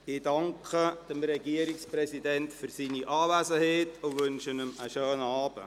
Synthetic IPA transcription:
idɑŋkʰəd̥əmɾɛɡiəɾɪksprɛsidɛntfyrsiːniʔaːvæːsəheːtʊvʏnʃənəməʃøːnaːbə̰

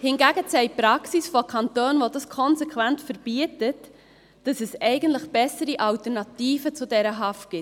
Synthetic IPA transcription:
hɪnɡæɡət͡sɛɪpɾɑksisfokʰɑntoːnʋodɑskʰɔnsɛkʰʋæntfəɾb̥iətət | d̥ɑsɛsɛɪɡən̩tləχb̥ɛsəɾiʔɑltəɾnɑtiːfət͡sʊdɛɾəɦɑftɡ̥ɪ

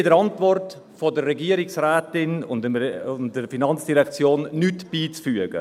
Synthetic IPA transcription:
ɪdəɾɑntvɔrt | fodərːɛɡiːəɾɪksrɛːtɪnʊ̰nʊndəɾfinɑnt͡sd̥iɾɛkt͡sjoːnːytb̥iːt͡sfyəɡ̥ə̰

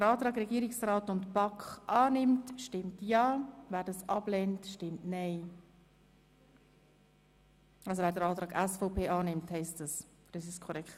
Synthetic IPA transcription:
dəɾɑːtɾɑːɡɾɛɡiːɾɪksraːtʊntb̥ɑkχʔɑːnɪmtʃtɪmtjɑːvæːɾdɑsɑb̥lɛntʃtɪmtnɛɪ | ɑlsovæːɾdəɾɑːtɾɑːɡɛsfɔʊpʰeːʔɑːnɪmthɛɪstəs | ɾ̥ɛsɪskʰɔɾɛkχt

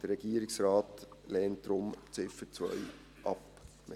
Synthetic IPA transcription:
d̥əɾɛɡ̥iəɾɪksɾɑːtlɛːnt̚d̥ɾʊmt͡sɪfət͡svœ̰ʏ | ʔɑp | mɪ

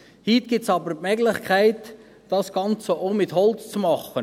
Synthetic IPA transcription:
hit̪ɡ̥ɪp̚t͡sɑbəɾpmɛɡlɪχkʰæɪt | d̥ɑsɡ̥ɑnt͡səoʊmɪt̪hɔlt͡st͡sumɑχən

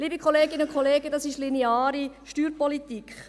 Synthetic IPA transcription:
liːbəkχɔleːɡɪnʊkʰχʰɔleːɡədɑsɪʃlineaːɾiʃtyːɾpɔlit̪ikχ

